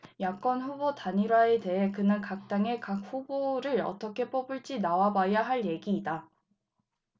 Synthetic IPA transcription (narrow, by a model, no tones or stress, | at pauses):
jak͈ʌnɸubotaɲiɾwaete̞ɦe̞kɯnɯnkak̚t͈aŋe̞kak̚ɸuboɾɯɾʌ̰t͈ʌkʰe̞p͈ʌbɯɭt͡ɕ͈inawabajaɦaɭje̞ɡiːda